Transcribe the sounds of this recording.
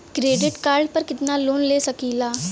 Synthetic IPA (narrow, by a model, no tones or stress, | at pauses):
kɾeːɖɪʈkaːɾɖpɐɾkɪt̪naloːnleːsɐkilaː